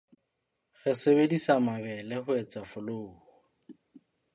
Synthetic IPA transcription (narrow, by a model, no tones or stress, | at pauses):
ɣɛsebedisamabɛlɪhʊɛt͡safʊloːɣɔ